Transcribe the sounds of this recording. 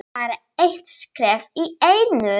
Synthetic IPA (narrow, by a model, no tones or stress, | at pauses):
aɾa | ejht̪skɾɛːfiejnʏ